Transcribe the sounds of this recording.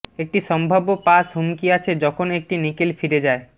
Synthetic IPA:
ek̚ʈiʃɔmbʱabopasɦomkiat͡ɕʰed͡ʑɔkʰonek̚ʈinikelfiɾed͡ʑae

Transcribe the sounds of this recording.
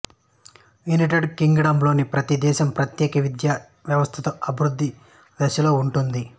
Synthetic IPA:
ʋiniʈɐɖkiŋɡɐɽɐːmblo̞ːnipɾɐt̪id̪ɛːʃɐmpɾɐt̪jɛːkɐʋid̪jaː | ʋjɐʋɐst̪ʰɐt̪ɐɐbʱiɾud̪ʱːi | d̪ɐʃɐlo̞ːuɳʈund̪i

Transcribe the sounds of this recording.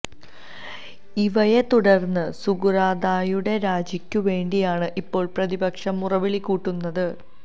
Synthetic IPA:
iʋɐje̞t̪uɽɐrnːɨsuɡuɾaːd̪aːjuɽe̞ɾaːd͡ʑikʲːuʋe̞ːɳɖijaːɳɨʔipːo̞ːɭprɐðibɐkʂɐmːurɐʋiɭikʲːuːʈːunːɐðɨ

